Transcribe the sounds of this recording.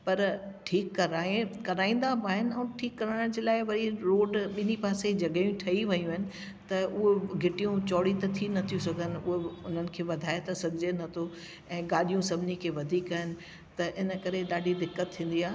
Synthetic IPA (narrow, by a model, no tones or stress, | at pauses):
pɐɾʈʰiːkːɐɾaːekɐɾaːĩːn̆d̪aaːɦɪnɪ̆ɛ̃ːʈʰiːkːɐɾaːɽ̃d͡ʑeːlaːɪʋɐɾiɾoːɖɓɪnipaːsed͡ʑɐɡəjũʈʰɐiʋɐjũɪnɪ̆ | t̪ɐʔʊɦeɡʱɪʈijũt͡ɕɔːɽit̪ɐt̪ʰinɐt̪ʰijũsɐɡʱənɪ̆ʊɦeʊn̤ənɪ̆kʰeːʋɐd̪ʱaːet̪ɐsɐbʱɪd͡ʑenɐt̪ʰo | ɛ̃ːɠaːɗijũsɐbʱɪnikʰeːʋɐd̪ʱiːkaːɦɪnɪ̆ | t̪ɐʔɪnə̆kɐɾeɗaːɖʱid̪ɪkːət̪ʰːĩːn̆d̪iaːɦ